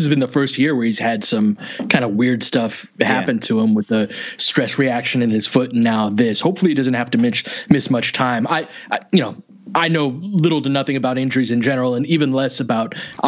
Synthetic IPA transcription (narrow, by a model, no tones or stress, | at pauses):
sɨzbɨ̃nðəfɜ˞st̚jɪɹwə˞hiz̥ɨd̥sʌ̃mkʰãɪ̃ndəwɪɹd̥stʌf | hæpɨ̃ntʰəɪ̃mwəðəstɹ̥ɛsɹiækʃɨ̃nɨ̃nɨz̥fʊtⁿnaʊðɪshoʊpfl̩ˠiɨdʌzɨ̃n̩t̚hæftɨmɪsmɪsmʌt͡ʃtʰãɪ̃maɪʔajɨnoʊ | ʔaɪnoʊlɪɾl̩ˠtɨnʌθɪ̃ŋɨbaʊɾɪ̃nd͡ʒə˞izɨ̃nd͡ʒɛnə˞l̩ˠə̃nivɨ̃nlɛsɨbaʊt̚ʔ